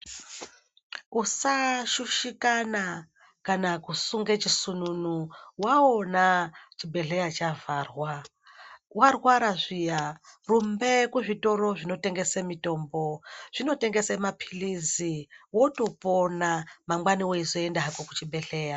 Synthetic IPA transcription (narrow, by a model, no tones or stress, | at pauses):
usaʃuʃikana | kanakusuŋɡet͡ʃisununuwaonat͡ʃibʱe̞ɬe̞jat͡ʃavarwa | warwaɾaʐijarumbe̞kuʐito̞ɾo̞ʐino̞te̞ŋɡe̞semito̞ːmbo̞ʐ̥ino̞te̞ŋɡesemapʰiliziwo̞to̞ponamamwaniwoizoendaakokut͡ʃibʱe̞ɬe̞ːja